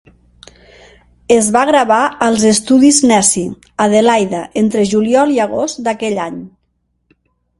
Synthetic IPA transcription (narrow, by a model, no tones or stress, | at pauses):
ezβaɣɾaβaəlˠzest̪uðiznɛsi | aðelajðaʔent̪ɾeʒuliɔlˠiaɣost̪d̪akɛʎaɲ